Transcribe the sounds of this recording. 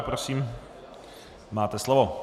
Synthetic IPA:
pɾosiːm | maːt̪ɛslovo

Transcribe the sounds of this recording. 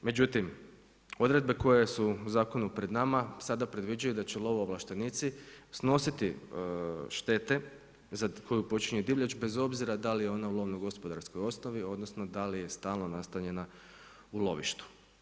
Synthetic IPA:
me̞d͡ʑut̪im | o̞d̪ɾe̞d̪̚be̞ko̞jesuuzaːko̞nupɾe̞d̪namasad̪apɾe̞d̪ʋid͡ʒajud̪at͡ɕelˠo̞ʋooʋlˠaʃt̪e̞nit̪sisno̞sit̪i | ʃt̪e̞t̪e̞ | zakʰo̞jupo̞t͡ʃiɲed̪iʋʎat͡ʃbe̞zo̞bziɾad̪alijeo̞naulˠoʋnojɡo̞spo̞d̪aɾsko̞jo̞snoʋio̞d̪nosnod̪alije̞st̪aːlˠno̞nast̪aʎe̞na | ulo̞̰ʋḭʃt̪u̥

